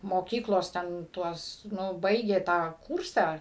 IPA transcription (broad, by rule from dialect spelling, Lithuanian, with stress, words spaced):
moːˈkʲiːklˠoːs tʲɛn ˈtuɔs ˈnʊ ˈbɐɪɡʲeː tɑː ˈkuːrsɑː